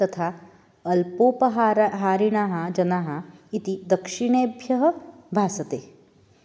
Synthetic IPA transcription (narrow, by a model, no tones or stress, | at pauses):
t̪ɐt̪ʰaː | ɐlpoːpɐɦaːɾɦaːɾiɳaːɦɐ̆d͡ʒɐnaːɦɐit̪id̪ɐkʂiɳeːbʱjɐɦɐ̆bʱaːsɐt̪eː